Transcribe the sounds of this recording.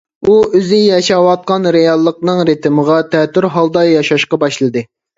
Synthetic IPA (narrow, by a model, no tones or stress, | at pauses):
uøzɪjɑʃɑwɑt̪̚qɑnɾejɑlˠːəqnɨŋɾet̪ʰɪməʁɑt̪ʰɛt̪ːyɾɦɑlˠd̪ɑjɑʃɑʃqɑbɑʃlˠɨd̪ɨ